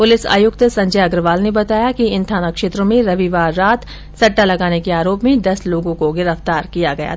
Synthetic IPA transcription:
pʊlɪsa̰ːjʊkt̪sɐ̃ɲd͡ʒɛːɐɡɾʋaːlnebɐt̪aːjakiɪ̃nt̪ʰaːnakʃeːt̪ɾõmẽɾɐʋiʋaːɾːaːt̪ | sɐʈːalɐɡaːnekeaːɾoːpmẽd̪ɐsloːɡõkoɡɪɾəft̪aːɾkijaɡɐja̰ː

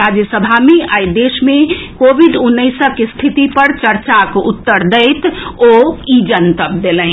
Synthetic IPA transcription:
ɾad͡ʒjəsəbʱameajd̪esmẽkobʱiɖunːəɪsəkest̪ʰit̪ipəɾt͡ʃəɾt͡ʃakoʔut̪ːəɾd̪əɪt̪oid͡ʒənt̪əp̚d̪elə̃

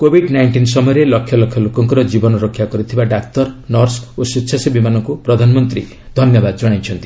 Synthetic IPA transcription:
kobʱiɖnajɳʈinsɔmɔjɔɾelɔkʰjɔlɔkʰjɔlokɔŋkɔɾɔd͡ʒibɔnɔɾokʰjakɔɾit̪ʰibaɖak̚t̪ɔɾnɔɾsositːʃʰasibimanɔŋkupɾɔd̪ʱanɔmɔnt̪ɾi | d̪ʱɔnjɔbad̪ɔd͡ʒɔɽ̃ajt͡ʃʰɔnt̪i̥

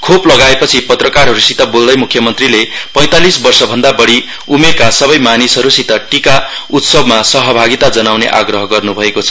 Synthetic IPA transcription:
kʰoplʌɡaepʌt͡sʰipʌt̪rʌkarɦʌɾusit̪ʌbold̪ʌjmukʰːjʌmʌnt̪rilepʌj̃t̪alisbʌrsʌbʱʌnd̪abʌɽi | umekasʌbʌjmanisʌɾusit̪ʌʈikaut̪sʌbmasʌɦʌbʱaɡit̪ad͡zʌnawnḛʔa̰ɡrʌɦʌɡʌrnubʱʌekot͡sʰʌ

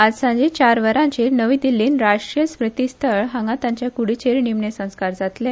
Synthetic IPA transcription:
ad͡zsãɲd͡ʑit͡ɕaɾʋəɾãɲt͡ɕiːɾnəʋĩd̪ilːiːnɾaʂɾiəspɾət̪ist̪ʰəɭɦaŋɡat̪ãɲt͡ɕjakuɽit͡ɕeɾnimɳesə̃w̃skaɾd͡zat̪le

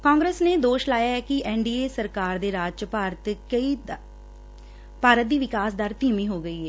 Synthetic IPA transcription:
kãːŋɡɾeːsneːd̪oːʃlaːjaːɦɛːkɪʔɛːɳɖiːeːsəɾkaːɾd̪eːɾaːd͡ʒt͡ʃpaːɾt̪əi | paːɾət̪̚d̪iːʋɪkaːsd̪əɾt̪iːmiːɦoːɡəiːɦɛː

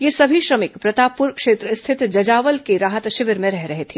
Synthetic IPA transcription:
jesɐbʱiʃɾɐmɪkpɾɐt̪aːpʊɾkʃeːt̪ɾəɪst̪ʰɪt̪d͡ʒɐd͡ʒaːʋəlkeɾaːɦət̪ʃɪʋɪɾmẽɾɛɦɾɐɦet̪ʰeː

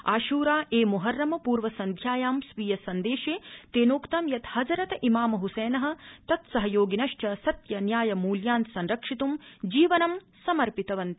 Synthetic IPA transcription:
aːʃuːɾaːʔeːmuɦɐɾːɐmɐpuːɾʋɐsɐnd̪ʱjaːjaːmsʋiːjɐsɐnd̪eːʃeːt̪eːnoːkt̪ɐmjɐt̪hɐd͡ʒɐɾɐt̪imaːmɐɦusɛːnɐɦɐ̆t̪ɐt̪sɐɦɐjoːɡinɐʃt͡ʃɐsɐt̪jɐnjaːjɐmuːljaːnt̪sɐnɾɐkʂit̪umd͡ʒiːʋɐnɐm | sɐmɐɾpit̪ɐʋɐnt̪

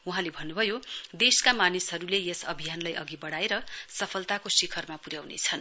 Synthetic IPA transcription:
uɦãlebʱʌnːubʱʌjod̪eskamanisɦʌɾulejesʌ̰bʱijanlajʔʌɡibʌɽaeɾʌsʌpʰʌlt̪akosikʰʌrmapuɾjawnḛt͡sʰʌn

